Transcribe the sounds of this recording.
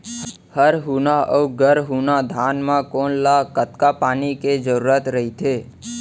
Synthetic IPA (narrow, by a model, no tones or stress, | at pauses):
həɾɦunaʔəwɡəɾɦunad̪ʱanmãkonlakət̪kapaniked͡ʒəɾuɾat̪ɾəɦit̪ʰe